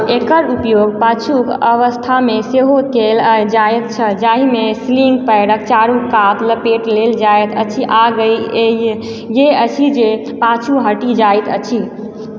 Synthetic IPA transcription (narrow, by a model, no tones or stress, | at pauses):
ekəɾupjoɡpat͡ʃʰukəʋəst̪ʰameseɦokeld͡ʒajt̪̚t͡ʃʰəd͡ʒaɦimesliŋɡpəjɽək̚t͡ʃaɾukat̪ləpeʈleld͡ʒajt̪ət͡ʃʰiʔaɡəje | jeət͡ʃʰid͡ʒe | pat͡ʃʰuɦəʈid͡ʒajt̪ə̰t͡ʃʰi